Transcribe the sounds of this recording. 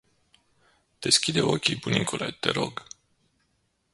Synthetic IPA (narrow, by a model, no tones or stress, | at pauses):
d̪̥e̞skʲid̪e̞o̞kʲibuniŋkʰolet̪e̞ɾo̞ɡ